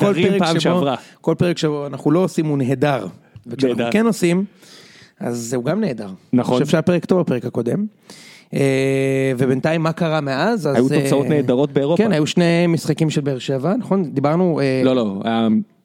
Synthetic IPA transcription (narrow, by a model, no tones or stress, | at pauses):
kolʁepamʃaoʁako̞lpe̞ʁekʃeboanaχulo̞osimuneed̪aʁvekʃanaχukenosim | a̰zuɡamne̞ːdaʁnaχefʃapeʁekt̪ovape̞ʁekhako̞d̪e̞m | evebent̪ajmːakaʁameazazajutot͡saoneːd̪aʁo̞t̪̚beːʁokenhajuʃne̞misχakimʃelbeːʁʃevanaχo̞nd̪ibaʁnueloloa̰ja